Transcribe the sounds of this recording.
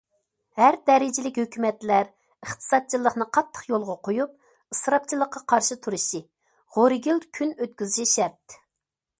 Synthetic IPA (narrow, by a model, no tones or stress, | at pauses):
hæɾd̪ɛɾɪd͡ʒilɪkʲhøkʲymɛt̪læɾ | əχt̪ʰɨ̥sɑt̪̚t͡ʃʰilˠːəχnɨqʰɑt̪ʰːə̥χjolˠʁɑqʰojup̚ | ɨsɾɑp̚t͡ʃʰilˠːəqːɑqʰɑɾʃɨt̪ʰuɾuʃi | ʁoɾɪɡʲilkʲʰynøt̪̚kʲyzɪʃiʃɛɾt̪